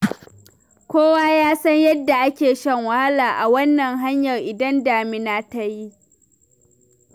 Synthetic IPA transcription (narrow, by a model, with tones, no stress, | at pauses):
kʷoː˦waː˦jaː˦sɐ˦ɲjɐ˦dːa˨ʔa˦kʲeː˨ʃɐ˦ŋwɐ˨ha˦laː˨ʔa˨wɐ˦nːɐ˨ŋɦa˦ɲjɐ˨rʔɪ˨dɐ˦ndaː˨mɪ˦naː˦ta˦ji˦